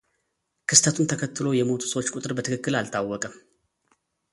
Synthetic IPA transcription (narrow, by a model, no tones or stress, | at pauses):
kʰɨst̪ʰət̪ʰunt̪ʰəkʰət̪ːɨlo̞jɛmo̞t̪ʰu̥səwot͡ʃːkʼut̪ʼɨɾbət̪ɨkɨkːɨlalt̪ʰawːɔkʼəm